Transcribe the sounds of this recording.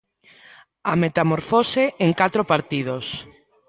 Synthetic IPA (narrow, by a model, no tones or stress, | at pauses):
amet̪amoɾfoseʔeŋkat̪ɾopaɾt̪ið̞os